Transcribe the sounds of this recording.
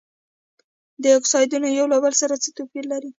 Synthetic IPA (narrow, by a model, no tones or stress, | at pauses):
d̪əɪksɑjd̪unojawlobalsaɾat͡sət̪opiɾlaɾi